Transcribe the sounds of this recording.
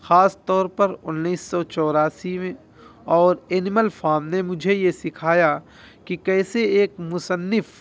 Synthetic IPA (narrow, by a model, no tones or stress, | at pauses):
xaːst̪ɔːɾpɐɾʊnːiːsːɔt͡ʃɔːɾaːsimẽ | ɔːɾeːnɪməlfʰaːɾmnemʊd͡ʒʱejesɪkʰaːja | kikɛːseeːkmʊsənːɪf